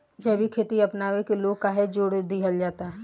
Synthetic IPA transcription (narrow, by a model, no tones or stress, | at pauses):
d͡ʒɐbʱikʰeːt̪iɐpnaːʋekeloːɡkaːɦed͡ʒoːɽd̪iɦəld͡ʒaːt̪aɦɛ